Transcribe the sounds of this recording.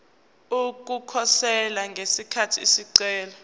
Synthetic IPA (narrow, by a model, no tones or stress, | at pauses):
uk̬ukʰɔsɛlaŋɡʱesikʰatʰiːsiǀɛːlɔ